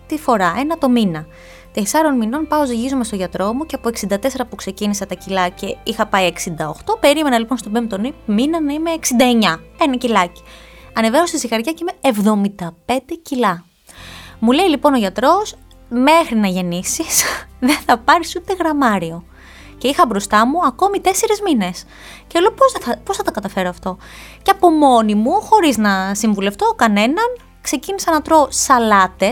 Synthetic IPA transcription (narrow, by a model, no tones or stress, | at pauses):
t̪ifo̞ɾɐe̞nɐt̪o̞minɐ | t̪e̞sɐɾo̞nmino̞npɐo̞ziʝizomest̪o̞ʝɐt̪ɾo̞muceɐpoe̞ksind̪ɐt̪e̞seɾɐpukse̞cinisɐt̪ɐcilɐce̞ixɐpɐieksind̪ɐoxt̪o̞pe̞ɾime̞nɐlipo̞nst̪obempt̪onipminɐnɐime̞ːksind̪ɐeɲɐe̞nɐcilɐci̥ɐne̞veosist̪ixɐɾʝɐceimeevðo̞mind̪ɐpe̞nd̪ecilɐ | mule̞ilipo̞no̞ʝɐt̪ɾo̞s | me̞xɾinɐʝe̞nisisðe̞nθɐpɐɾisut̪eɣɾɐmɐɾio̞ | ce̞ixɐbɾo̞st̪ɐmuɐko̞mit̪e̞se̞ɾizmine̞s | celoposɐɐposθɐt̪ɐkɐt̪ɐfe̞ɾoɐft̪o̞ceɐpo̞mo̞nimuxo̞ɾiznɐsiɱvule̞ft̪o̞kɐne̞nɐn | kse̞cinisenɐt̪ɾo̞sɐlɐt̪e̞